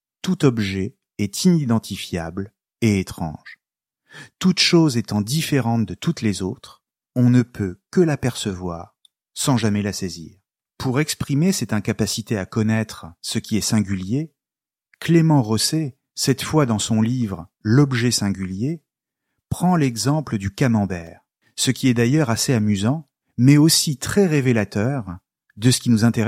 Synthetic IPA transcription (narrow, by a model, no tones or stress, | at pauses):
t̪ut̪ɔbʒɛ | ɛt̪ʰinid̪ɑ̃t̪ʰifjabl | eːt̪χɑ̰̃ʒ | t̪ut̪ʃozet̪ɑ̃d̪ifeʁɑ̃t̪d̪ət̪ut̪lezot̪χ | ɔ̃nəpʰøkəlapɛʁsəvwa̰ːʁ | sɑ̃ʒamɛlasɛzḭːʁ | pʰuʁɛkspχimesɛt̪ɛ̃kapasit̪eakɔnɛt̪χsəkʲiɛsɛ̃ɡʲylje | klemɑ̃ʁɔse | sɛt̪fwad̪ɑ̃sɔ̃livʁəlɔbʒɛsɛ̃ɡʲylje | pχɑ̃lɛɡzɑ̃pləd̪ykamɑ̃bɛːʁ | səkʲiɛd̪ajœʁaseamyzɑ̃ | mɛosit̪χɛʁevelat̪œːʁ | d̪əsə̥kʲinuzɛ̃t̪e